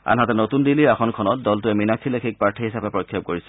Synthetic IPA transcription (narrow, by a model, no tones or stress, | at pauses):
a̰nɦatɛnotundiliaxɔnkʰɔnɔt̚dɔltʊɛminakʰːilekʰik̚paɹtʰiɦisapɛpɹɔkʰːiɔp̚koɹisɛ̥